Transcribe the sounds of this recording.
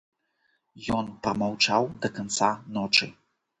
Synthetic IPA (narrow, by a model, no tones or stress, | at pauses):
jɔnpɾɐmawt͡ʂawd̪ɐkant̪sanɔt͡ʂɨ̰